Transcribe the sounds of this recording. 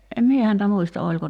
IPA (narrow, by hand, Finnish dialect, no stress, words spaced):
em mie hæntæ muistɑ olʲko